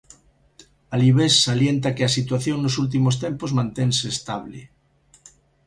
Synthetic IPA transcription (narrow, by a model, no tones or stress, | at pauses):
aliβesːaljent̪akeasit̪waθjoŋnosult̪̬imost̪empozmãnt̪enseːst̪aβlḛ